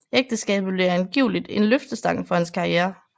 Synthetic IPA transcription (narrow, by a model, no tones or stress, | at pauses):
eɡ̥̚d̥əsɡ̥ɛ̰ːb̥ð̩ˠb̥liɐænɡ̥iʊ̰lid̥enløfd̥əsd̥ɑ̈ŋ̰̩fɒ̽henskʰɑ̈ieːɐ